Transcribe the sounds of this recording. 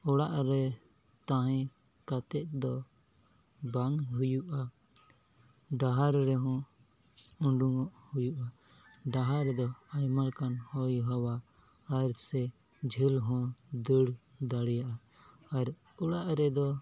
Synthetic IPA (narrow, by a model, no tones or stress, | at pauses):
ɔɽaʔɾɛ | t̪ãɦɛ̃ | kat̪ɛt̪̚d̪ɔ | baŋɦujuʔa | ɖaɦaɾɾɛɦɔ̃ | ũɖuŋɔʔhujuʔa | ɖaɦaɾɛd̪ɔajmalkanhɔjɦɔwa | aɾsɛ | d͡ʒʱilɦɔ̃d̪əɽd̪aɽjaʔa | aɾ | uɽaʔɾɛd̪ɔ